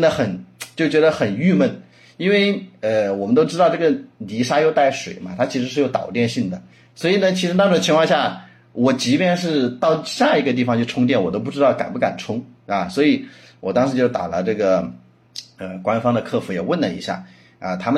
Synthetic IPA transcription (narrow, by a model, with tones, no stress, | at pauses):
nd̪ə˧xə˨˩nt͡ɕjo˥˩ʊt͡ɕɥɛ˧˥d̪ə˧xə˨˩ny˥˧mə˥˩n | i˥nwe˥˩ɪə˧wɔ˨˩mə˦nt̪o˥ʊʈ͡ʂɻ̩˥t̪ɑ˥˧ʊʈ͡ʂɤ˥˩ə˩li˧˥ʂa˥jo˥˧ʊt̪a˥˩ɪʂwe˨˩ɪmɐ˦t̪ʰa˥t͡ɕʰi˧˥ʂɻ̩˧˥ʂɻ̩˥˧jo˥˩ʊt̪ɑ̰˨˩ʊt̪jɛ˥˧nɕi˥˩ŋd̪ə˩ | swɔ˧˥i˨˩nə˩t͡ɕʰi˧˥ʂɻ̩˧˥t̪ɑ˥ʈ͡ʂ̩̪ʰ˧˥ət͡ɕʰi˧ŋkʰwɑ˥˧ŋɕja˥˩ | wɔ˨˩t͡ɕi˧˥pjɛ˥˧nʂ̬ɻ̩˥˧t̪ɑ˥˧ʊɕja˥˩i˧˥ɡə˧t̪̬i˥˩fɑ˨˧ŋt͡ɕʰjo˥˩ʈ͡ʂʰʊ˥ŋt̪̬jɛ˥˩nwɔ˨˩t̪o˥ʊpu˥˩ʈ͡ʂɻ̩˥t̪ɑ˥˩ʊka̰˨˩npu˥˩ka̰˨˩nʈ͡ʂʰʊ˥ŋɐ˧˩swɔ˧˥i˨˩˦ | wɔ˨˩t̪ɑ˥ŋʂɻ̩˧˥t͡ɕjo˥˩ʊt̪a̰˨˩lə̰˦ʈ͡ʂɤ˥˩ɡə˩ | ə˧kwa˥nfɑ˥ŋd̪ə˨kʰɤ˥˩fu˧˥jɛ˨˩wə˥˩nlə˩ḭ˧˥ɕja̰˥˩ | ə̰˧t̪ʰa˥mə˨